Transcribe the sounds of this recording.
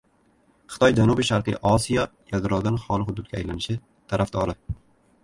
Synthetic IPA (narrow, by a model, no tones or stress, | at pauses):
χɨ̥t̪ɒjd͡ʒanubiʃaɾqɨ̰ʔɒsijɒjald̪ɾɒwd̪anχɒlˠɪhʊd̪ʊd̪̚ɡʲajlanɪʃɪ | t̪ʰaɾʔafd̪ɒɾɪ